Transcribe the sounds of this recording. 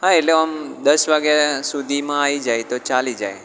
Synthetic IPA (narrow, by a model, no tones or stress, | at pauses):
ɦãeʈleəmd̪əsʋaɡjasud̪ʱimãaʋid͡ʒajt̪ot͡ʃalid͡ʒa̰j